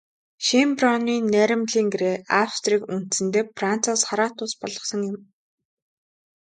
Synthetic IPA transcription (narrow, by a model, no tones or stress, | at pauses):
ʃemprɔniːnːæːɾʲɪ̆mɮiːŋɡeɾeːawst̪riːkun̥t̪sɘ̆nt̪eːpran̥t͡saːsχaɾaːt̪ʊːspɔɮɞ̆sɞ̆ŋjɪ̆m